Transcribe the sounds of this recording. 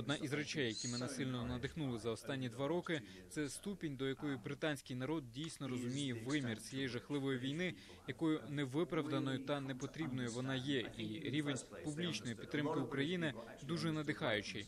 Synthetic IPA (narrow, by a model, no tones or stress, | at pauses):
ɔd̪nɑʔizɾɛt͡ʃɛjːɐkʲimɛnɛsɪlʲnɔnɐd̪ɪxnulˠɪzɐɔst̪ɑnʲːid̪ʋɑɾɔkɪ | t̪sɛst̪upʲinʲd̪ɔjɐkɔjʊbɾɪt̪ɑnʲsʲkɪjnɐɾɔd̪̚dʲijsʲnɔɾɔzʊmʲijɛʋɪmʲirt͡sʲijɛjiʒɐxlˠɪʋɔjʊʋʲijnɪ | jɐkɔjʊnɛʋɪpɾɐʋd̪ɐnɔjʊt̪ɐnɛpɔt̪ɾʲibnɔjʊʋɔnɑjɛʔiɾʲiʋenʲpublʲit͡ʃnɔjipʲid̪t̪ːɾɪmkɪukɾɐjinɪ | d̪uʒɛnɐd̪ɪxɑjʊt͡ʃɪj